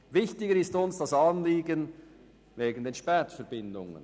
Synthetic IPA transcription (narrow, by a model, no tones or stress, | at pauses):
vɪçtɪɡəɾɪstʊnsd̥ɑsɑnliːɡən | veːɡən̩deːnʃpɛːtfɛɾbɪndʊ̰ŋə̰n